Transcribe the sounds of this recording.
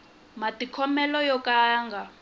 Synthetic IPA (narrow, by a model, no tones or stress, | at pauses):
matikʰɔmɛlɔjɔkaŋɡʱa